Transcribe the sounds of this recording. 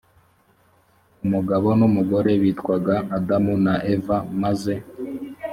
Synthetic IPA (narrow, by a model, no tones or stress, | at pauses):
umuɡaβo̞numuɡo̞ɾe̞βiːtkwaɡaʔːdamunaʔevamaze̞